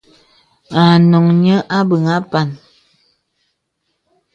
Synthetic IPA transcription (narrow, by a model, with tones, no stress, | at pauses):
a˨nɔ˨ŋɲə˦ʔa˦bə˨ŋa˦pa˨n